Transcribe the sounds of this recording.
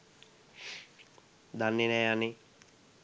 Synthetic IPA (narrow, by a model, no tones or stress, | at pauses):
d̪anːinɛjani